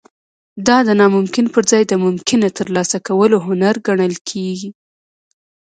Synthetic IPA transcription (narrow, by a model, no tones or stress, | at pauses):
d̪ɑd̪ənɑmʊmkɪnpəɾzɑjd̪əmʊmkɪnat̪əɾlɑsakawəloɦʊnaɾɡaɳəlkʰeɡi